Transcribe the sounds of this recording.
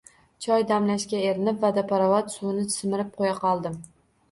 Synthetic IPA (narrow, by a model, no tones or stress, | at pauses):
t͡ʃʰɒjd̪amlaʃkʲaeɾɪnɪpvad̪apaɾavat̪sunɪt͡ʃ̪ʰɪ̥smɪɾɪp̚qʰojaqɒlˠd̪ɪm